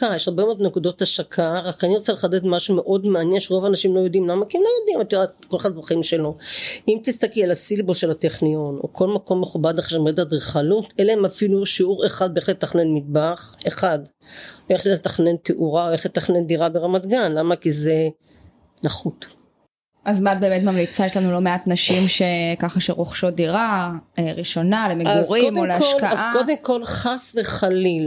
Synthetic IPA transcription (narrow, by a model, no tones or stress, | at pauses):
kajeʃaʁbemeod̪nekud̪o̞t̪aʃakʰaʁakaniʁot͡seleχaded̪maʃume̞ʔo̞d̪meanjenʃeʁo̞vaːnaʃimlo̞jo̞d̪imlamakiemlojod̪imat̪ode | kolaχad̪vaχimʃe̞lo̞ʔimt̪ist̪aklialasilboʃelat̪eχnijo̞no̰kʰo̞lmako̞mːeχubad̪aχeʃmoed̪ad̪eχalut̪eleemafiluʃiuʁeχad̪̚beeχlelet̪aχne̞nmid̚baχeχad̪ | beχet̪aχne̞nt̪eʔuʁaoeχlet̪aχne̞nd̪iʁabeʁamat̪ɡanlamakize | naχut̪ | ʔazmat̪̚be̞ːmet̪mamlit͡sajeʃlanulo̞meat̪naʃimʃekaχaʃeʁoχʃod̪iʁaeʁiʃo̞nalemeɡuʁikmoleaʃolkaazʔakod̪emko̞lχasveχalil